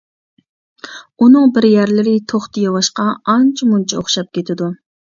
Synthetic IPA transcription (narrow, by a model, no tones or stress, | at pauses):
unɨŋbɪɾjæɾlɪɾɪt̪ʰoχt̪ʰɨjɑwɑʃqɑɑnt͡ʃʰimunt͡ʃʰɛoχʃɑp̚kʲet̪ʰɪd̪u